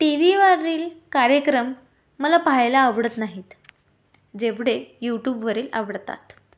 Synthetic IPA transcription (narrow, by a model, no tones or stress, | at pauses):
ʈiʋiʋaɾiːlkaɾjəkɾəmː | əlapaɦajlaːʋɽət̪naɦiːt̪ | d͡ʑeʋɽejuʈjuːbʋəɾiːlə̰ʋɽt̪a̰t̪